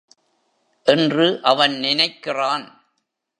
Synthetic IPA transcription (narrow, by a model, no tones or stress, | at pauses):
ʔɛndrɯʔɐʋɐnnɪnɐɪkːɪraːn